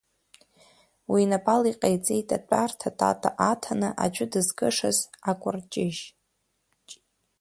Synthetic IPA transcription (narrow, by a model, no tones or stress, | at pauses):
winapʼaliqʼejt͡sʼejtʼat͡pʷʼartʰatʼa̰tʼaʔatʰanɨʔa̰d͡ʒʷʊdɨzɡʼɨʂazakʷʼʊrt͡ʃʼɪʒ | t͡ʃʼ